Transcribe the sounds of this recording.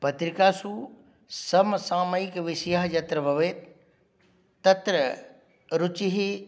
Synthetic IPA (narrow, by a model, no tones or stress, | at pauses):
pɐt̪ɾɪkasu | sɐmsãːməikʋɪsjaɦjɐt̪ɾəbʱɐʋeː | t̪ːɐt̪ɾə | ɾʊt͡ʃiɦi